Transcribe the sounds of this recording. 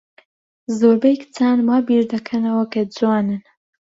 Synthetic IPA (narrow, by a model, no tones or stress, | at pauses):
zoːɾbejkt͡sʰanmaːbiɾd̪ɐkʰɐnɐwɐkɐd͡zwaːnɨn